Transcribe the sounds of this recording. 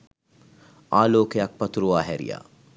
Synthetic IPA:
aːloːkejak̚pɐt̪uɾuʋaːɦɛɾḭja̰

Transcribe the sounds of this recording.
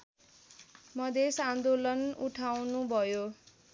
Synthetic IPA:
mʌd̪ʱesand̪olʌnuʈʰawnubʱʌjo

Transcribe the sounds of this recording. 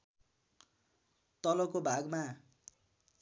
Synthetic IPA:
t̪ʌlʌkobʱaɡma

